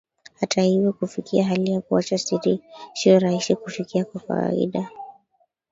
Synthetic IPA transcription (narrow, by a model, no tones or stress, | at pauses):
hatahivɔkufikiaɦalijakuat͡ʃasiɾisiɔɾahisikufikiakwaka̰wa̰ḭɗa